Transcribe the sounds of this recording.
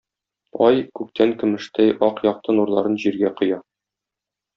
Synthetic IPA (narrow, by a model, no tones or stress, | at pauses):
ɒjkʉk̚t̪ʰæŋkɘ̆mɘ̆ʃt̪æjɒqjɒq̚t̪ɤnuɾlˠɑɾɤnʑiɾɡæqŏjɑ